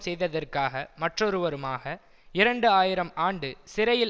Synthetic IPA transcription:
sɛjðɐðɐrkaːɣɐmɐʈrɔɾɯʋɐɾɯmaːɣɐ | ɪɾɐɳɖɯaːjɪɾɐmaːɳɖɯsɪɾɐjɪl

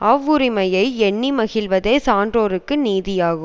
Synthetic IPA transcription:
ɐʋːɯɾɪmɐjɐɪɛɳːimɐɣɪlʋɐðeːsaːndroːɾɯkːɯniːðɪjaːɣɯm

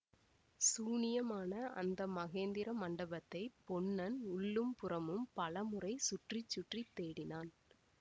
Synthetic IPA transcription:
suːnɪjɐmaːnɐʔɐ̰nd̪ɐmɐɣeːnd̪ɪɾɐmɐɳɖɐbɐt̪ːɐɪpɔɳːɐnʊɭːɯmpʊrɐmɯmpɐlɐmɯrɐɪsʊʈrɪt͡ʃːʊʈrit̪ːeːɽɪnaːn

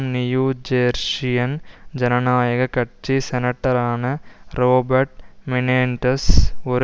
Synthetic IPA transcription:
nijuːd͡ʒeːɾʂijɐnd͡ʑɐnɐnaːjɐɣɐkɐʈt͡ʃːisɛnɐʈːɐɾaːɳɨroːbɐɾʈmineːɳʈɐsoɾ

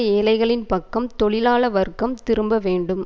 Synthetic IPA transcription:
eːlɐɪɣɐɭɪnpɐkːɐmt̪ɔɭɪlaːɭɐʋɐɾɯkːɐmt̪ɪɾɯmbɐʋeːɳɖɯm

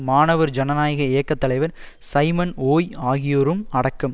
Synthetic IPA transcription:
maːnɐʋɐɾd͡ʒɐnɐnaːjɐɣɐɪjɐkːɐt̪ːɐlɐɪʋɐɾ | sɐɪmɐnoːjaːɣɪjoːɾɯmɐɽɐkːɯm

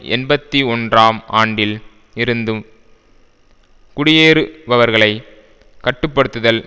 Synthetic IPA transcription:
ʔɛ̰nbɐt̪ːiɔndraːma̰ːɳɖɪl | ɪɾɯnd̪ɯm | kʊɽɪjeːɾɯʋɐʋɐɾɣɐɭɐɪ | kɐʈːɯpːɐɽɯt̪ːɯðɐl

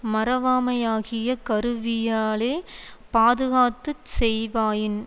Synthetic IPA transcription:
mɐɾɐʋaːmɐjaːɣɪjɐkɐɾɯʋɪjaːleː | paːðɯɣaːt̪ːɯsɛjʋaːjɪn

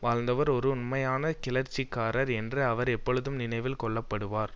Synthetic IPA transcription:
ʋaːɻnd̪ɐʋɐɾɔɾɯʊnmɐjaːnɐkɪlɐɾt͡ʃːikːaːɾɐɾɛndrɯɐʋɐɾɛpːɔɻɯðɯmnɪnɐɪʋɪlkɔɭːɐpːɐɽɯʋaːɾ

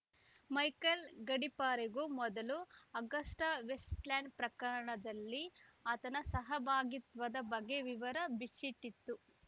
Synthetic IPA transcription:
mɐjkɐlɡɐɽipaːɾeɡumɔd̪ɐluɐɡɐsʈɐʋesʈlaːɳɖpɾɐkɐɾɐɳɐd̪ɐlːiaːt̪ɐnɐsɐɦɐbʱaːɡit̪ʋɐd̪ɐbɐɡːe̞ʋiʋɐɾɐbit͡ʃːit̪ːit̪ːu

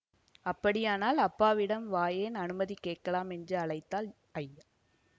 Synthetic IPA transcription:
ɐpːɐɽɪjaːnaːlɐpːaːʋɪɽɐmʋaːjeːnɐnɯmɐðikeːʈ̚kɐlaːmɛndrɯɐlɐɪt̪ːaːl | ɐjɐ

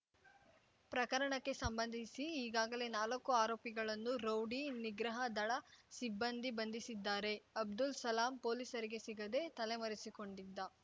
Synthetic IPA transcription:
pɾɐkɐɾɐɳɐkːesɐmbɐnd̪ʱisiːɡaːɡɐle̞naːlɐkːuaːɾoːpiɡɐɭɐnːuɾɐwɖiniɡɾɐɦɐd̪ɐɭɐsibːɐnd̪ʱibɐnd̪ʱisid̪ːaːɾe̞ɐb̚d̪ulsɐlaːmpoːliːsɐɾiɡe̞siɡɐd̪e̞t̪ɐlemɐɾisiko̞ɳɖid̪ːa

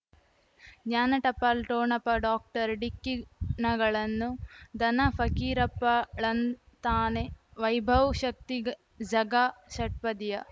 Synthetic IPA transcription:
ɡɲaːnɐʈɐpːɐlʈoːɳɐpɐɖaːk̚ʈɐɾɖikːinɐɡɐɭɐnːud̪ɐnɐpʰɐkiːɾɐpːɐɭɐn | t̪aːneʋɐjbʱɐʋʃɐk̚t̪iɡ | d͡ʒɐɡaʃɐʈ̚pɐd̪jɐ

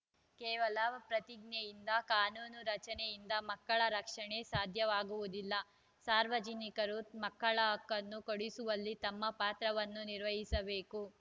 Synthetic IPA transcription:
kɛːʋɐlɐpɾɐt̪iɡ̚nejind̪ɐkaːnuːnuɾɐt͡ʃɐnejind̪ɐmɐkːɐɭɐɾɐkʂɐɳe̞saːd̪ʱjɐʋaːɡuʋud̪ilːɐ | saːɾʋɐd͡ʒinikɐɾumɐkːɐɭɐɦɐkːɐnːukoɽisuʋɐlːit̪ɐmːɐpaːt̪ɾɐʋɐnːuniɾʋɐɦisɐbe̞ːku

